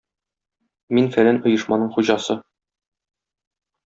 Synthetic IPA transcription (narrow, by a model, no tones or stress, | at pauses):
minfælænŏjɤ̆ʃmɑnɤɴχuʑɑsɤ